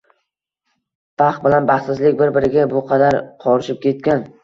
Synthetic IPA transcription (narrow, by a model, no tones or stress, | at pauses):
b̥ʰɑχbɪlanbaχsɪzlɪk̚ʲbɪɾbɪɾɪɡʲabʊqʰɑd̪aɾqʰɒɾɪʃɪp̚kʲʰe̞t̪̚kʲan